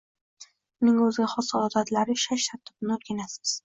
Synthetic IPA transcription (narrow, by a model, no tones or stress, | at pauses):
ʊnɪŋɵzɪɡʲaχɒsɒd̪at̪ʰlaɾɪʃaʃt̪ʰaɾt̪ʰːɪbnɪoɾɡʲanasɪ̥z̥